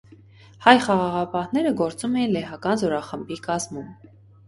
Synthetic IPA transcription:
hɑjχɑʁɑʁɑpɑhnɛɾəɡɔɾt͡sumɛjinlɛɦɑkɑnzɔɾɑχəmbikɑzmum

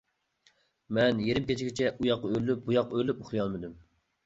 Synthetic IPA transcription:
mɛnjeɾɪmkʲʰet͡ʃʰiɡʲit͡ʃʰɛʔujɑqːɑølːyp̚bujɑqːølːyp̚uχlˠɨjɑlˠmɨd̪ym

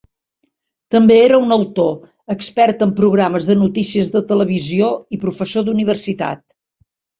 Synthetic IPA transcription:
t̪əmbeeɾəunəwt̪o | əkspɛrt̪əmpɾuɣɾaməzðənut̪isiəzðət̪ələβ̞izioipɾufəsod̪uniβ̞ərsit̪a̰t̪̚

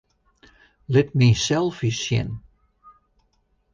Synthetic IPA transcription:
lɪtmisɛlˠfisjɪ̰n

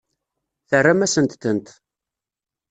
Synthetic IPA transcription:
θərːamæsənt̪θənt̪

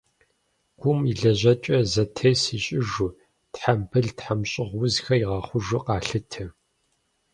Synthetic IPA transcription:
ɡ̥ʷʊmiɮɐʑɐt͡ʃʼɐzɐtʰeːsiɕʼɪʒu | tħambʰɨɮtħamɕʼɪʁwʊzxɐiʁɑːχʷʊʒʊqɑːɬɨtʰɨ

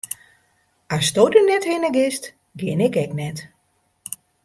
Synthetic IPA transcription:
astodənɛthɪnəɡɪst | ɡɪnɪkɛknɛt

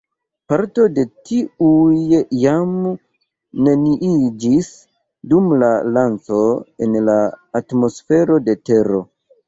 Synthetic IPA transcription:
paɾto̞de̞tiujjam | ne̞niʔid͡ʒis | dumlalant͡so̞e̞nlaːtmo̞sfe̞ɾo̞de̞te̞ɾo̞

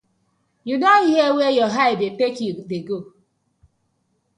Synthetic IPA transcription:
junɔiɦewejɔɦaɪdetekudeɡo

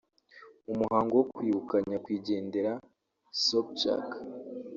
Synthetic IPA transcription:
umuhaːŋɡowokwiːβukaɲakwiːɟe̞ːnde̞ɾa | sop̚t͡ʃa̰k

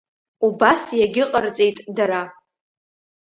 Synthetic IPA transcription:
ubasjaɡʲɪqʼərt͡sʼe̞jtʼdaɾa

